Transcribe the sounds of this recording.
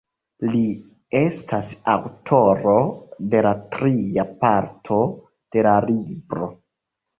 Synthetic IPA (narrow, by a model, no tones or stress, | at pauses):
li | e̞stʰasawtʰo̞ɾo̞de̞latɾiapaɾtʰo̞ | d̥e̞lalibɾo̞